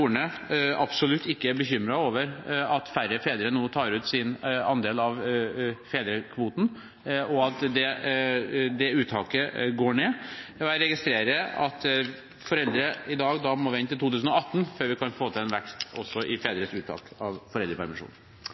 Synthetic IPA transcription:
uːəɳə | ɑpsɔlʉt̪ʰːɪkːəæɾbəçʏmɾɑoːʋəɾɑt̪fæɾəfeːd̪ɾənuːt̪ʰɑːɾʉːt̪sɪnɑ̰nd̪eːlɑʋfeːd̪ɾəkʰʋuːt̪n̩ | ɔɑt̪d̪ɛ | d̪ɛʉːt̪ʰɑːkəɡoːɳeːɛɾɛɡɪst̪ɾeːɾəɑ̰t̪ | fɔɾɛld̪ɾəɪd̪ɑːɡd̪ɑmɔʋɪɪnt̪ɪlt̪uːt̪ʉːsən̩ɔɑt̪ːn̩føːɾʋɪkʰɑnfoːt̪ʰɪlɛːnʋɛkst̪ɔ̰sːɔʔɪfeːd̪əɾəsʉːt̪ʰːɑ̰ːkɑʋfɔɾɛld̪ɾəpʰæ̰ɾmɪʂṵːn

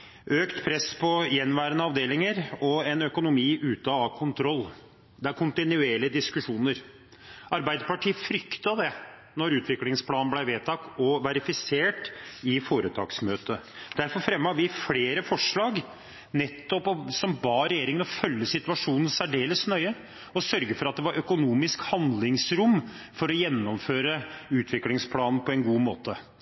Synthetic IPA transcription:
ʔøːkt̪pʰɾɛspʰɔjɛnːʋæːɾənəɑʋd̪eːlɪŋəɾɔɛnœkʊnʊmiːʔʉːt̪ɑɑkʰʊnt̪ʰɾɔlː | d̪ɛæɾkʰʊnt̪ɪnʉeːɭɪəd̪ɪskʉʂuːnəɾ | ɑɾbæɪd̪əɾpɑʈʰiːəfɾʏkt̪ɑd̪ɛ | nɔɾʉːt̪ʋɪklɪŋspʰlɑːnnblæɪʋeːt̪ʰɑkt̪ɔʋæɾɪfɪseːʈɪfoːɾət̪ʰɑ̰ːksmøːt̪ə | d̪̥æɾfɔɾfɾɛmːəɑɾʋɪfleːɾəfɔʂɭɑːɡ | nɛt̪ːɔpɔsɔmbɑːɾɛjeːɾɪŋənɔfœlːəsɪt̪ʉʋɑʂuːnən̩sæɖeːləsnœʏə | ɔsœɾɡəfɔɾɑt̪̚d̪ɛʋɑɾʔœkʊnuːmɪskhɑnd̪lɪŋsɾʊmː | fɔɾɔjɛnːɔmføːɾəʉːt̪ʰʋɪklɪŋspʰlɑːnn̩pʰɔɛnɡuːmoːt̪ə

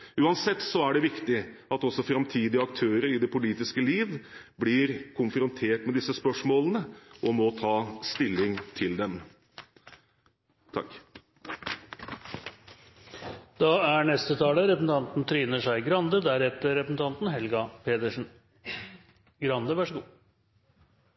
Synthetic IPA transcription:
ʉːɑnsɛt̪ːsɔæɖɛʋɪkt̪ɪɑt̪ɔsːɔfɾɑmt̪ʰiːd̪ɪɑk̚t̪ʰøːɾəɾɪd̪ɛpʰʊliːt̪ɪskəliːʋblɪɾkʰʊnfɾʊnt̪ʰeːʈmɛd̪ɪsəspœʂmoːlənəʔɔmɔt̪ʰɑːst̪ɪlːɪŋt̪ʰɪld̪ɛm | t̪ʰɑ̰kː | d̪̥ɑæɳɛst̪ət̪ʰɑːləɾɛpəsn̩t̪ʰɑnt̪n̩t̪ʰɾyːnəʂæɪɡɾɑnd̪əd̪æɾɛt̪əɾɾɛpəsn̩t̪ʰɑnt̪n̩ɦɛlɡɑpʰeːd̪əʂn̩ | ɡɾɑnd̪əʋæʂəɡuː

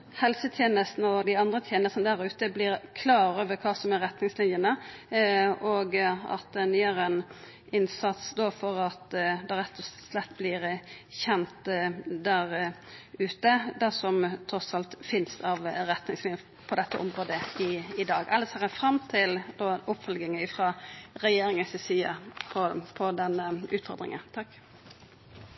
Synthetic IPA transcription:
hɛlsət̪ʰjeːnəst̪nəɔd̪ɪɑnd̪ɾət̪ʰjeːnəst̪nəd̪æɾʉːt̪əblɪɾkʰlɑːɾoːʋəɾkʰɑːsɔmɛɾɛt̪nɪŋslɪnjənə | oɡɑ̰t̪̚d̪ɛnyːəɾən | ɪnsɑt̪sd̪oːfɔɾɑt̪d̪ɛɾɛt̪ʰːɔlɛt̪ːblɪɾçɛnt̪d̪æɾʉːt̪əd̪æsɔmt̪ʰɾɔsɑlt̪fɪnsɑʋɾɛt̪nɪŋsliːn | pʰɔd̪ɛt̪ːəʔɔmʁoːd̪əɪɪd̪ɑːɡɛləsɑʁəfɾɑmt̪ʰɪld̪oːʊpfœlɡɪŋəɪfɾɑːɾɛjeːɾɪŋəsɪsiːə̰pʰɔpʰɔd̪ɛnːəʉːt̪fɔ̰ɾd̪ɾɪ̰ŋə̰nt̪ʰɑkː

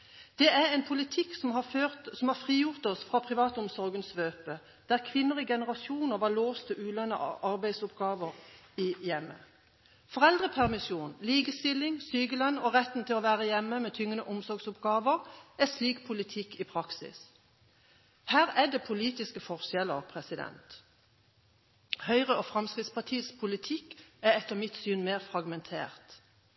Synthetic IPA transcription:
d̪̥ɛæʁɛɪnpʰʊlɪt̪ʰɪksmɑøsɔmhɑʁfʁiːjʊʁt̪ɔsfʁɑːpʰʁɪʋɑːt̪ʊmsɔʁɡənsʋøːpə | d̪̥æʁkʰʋɪnːəʁɪɡɛnəʁɑsuːnəʁʋɑloːst̪ʰəʔʉːlɛnːə̰ʔʔɑɾbæɪd̪sʊpɡɑːʋəʁɪjɛmːə̰ | fɔʁɛld̪ʁəpʰæʁmɪsuːnliːɡəst̪ɪlːɪŋsyːɡəlœnɔʁɛt̪n̩t̪ʰɪlɔːʋæːʁəjɛmːəmɛːt̪ʰʏŋːənəʔʊmsɔɾɡsʊpɡɑːʋəʁɛsliːkpʰʊlɪt̪ʰɪkːɪpʰʁɑksɪ̰s | hæːʁæd̪ɛːpʰʊliːt̪ɪskəfɔʁʃɛləʁpʰʁɛsɪd̪ɛ̰nt̪ | hœʏʁəofʁɑmskʁɪt̪spɑt̪ʰiːspʰʊlɪt̪ʰɪkːæɛt̪ːəʁmɪt̪syːnmeːʁfʁɑɡmɛnt̪ʰḛːʁt̪

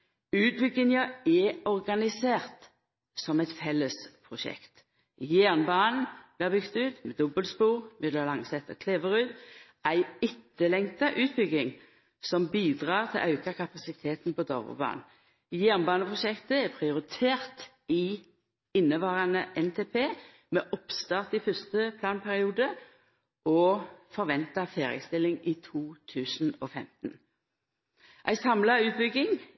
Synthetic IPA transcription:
ʉːt̪̚bʏɡɪŋəɛɔʁɡɑnɪseːʁt̪ | sɔmæɪt̪fɛlːəspʰʁʊʃɛ̰kt̪ | jæʁnbɑːnn̩b̥lɪːɑbʏɡt̪ʉːt̪mɛd̪ɔbəlspuːʁmɛd̪ɑlɑŋsɛt̪ːəkʰleːʋəʁʉːt̪ | æɪɪt̪ːəlɛŋt̪ɑʔʉːt̪̚bʏɡɪŋ | sɔmbiːd̪ʁɑːʁt̪ʰɪlʔɑʉkɑkʰɑpɑsɪt̪ʰeːt̪n̩pɔd̪ɔʋə̰bɑ̰ːn | jæːʁnbɑːnəpʰʁʊʃɛkt̪əɛpʰʁɪʊʁɪt̪ʰeːʁt̪ | ɪ | ɪnːəʋɑːʁɑnəʔɛnt̪ʰeːpʰeː | mɛʔɔpst̪ɑːʁt̪ɪfʏst̪əpʰlɑːnpʰæʁɪuːd̪ə | ʔɔfɔʁʋɛnt̪ɑfeːʁɪ̰st̪ɪlːɪŋiːt̪ʰuːt̪ʰʉːsn̩ɔːfɛmt̪n | ʔæ̰ɪsɑmlɑʉːt̪̚bʏɡɪŋ

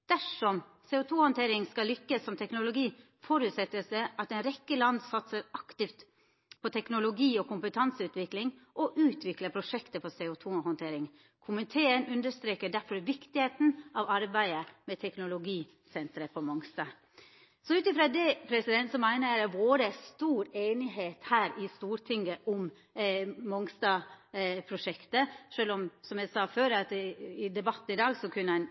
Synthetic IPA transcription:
d̪̥æʂɔm | seːʊt̪ʰuːhɔnt̪ʰeːɾɪŋskɑlːʏkːəsːɔmt̪ʰɛknʊlʊɡiː | fɔɾʉːt̪sɛt̪ːəsɛʔɑt̪ɛɪnɾɛkːəlɑnd̪sɑt̪səɾɑkt̪ɪft̪ | pʰɔt̪ʰɛknʊlʊɡiːɔkʰʊmpət̪ʰɑnsəʉːt̪ʋɪklɪŋʔɔʔʉːt̪ʰʋɪkləpʰɾʊʂɛkt̪əfɔseːʊt̪ʰuːhɔnt̪ʰeːɾɪŋ | kʰʊmənt̪ʰeːənʉnd̪əʂt̪ɾeːkəɖæɾfɔɾʋɪkt̪ɪheːt̪n̩ɑʋɑɾbæɪəmɛt̪ʰɛknʊlʊɡiː | sɛnt̪ɾəpʰɔmɔŋst̪ɑ | sɔʉːt̪ɪfɾɑd̪ɛpʰɾɛsɪd̪ɛnt̪sɔmæɪnəjæɪd̪æʋoːɾəæst̪uːɾeːnɪɦeːt̪hæːɾɪst̪uːɾt̪ʰɪŋɡəʔɔm | mɔŋst̪ɑpʰɾʊʂɛkt̪əʂøːlɔmsɔmjæɪsɑːføːɾɑt̪ɪd̪ɛbɑt̪ːn̩ɪd̪ɑːɡsɔkʰʉnːəæɪn

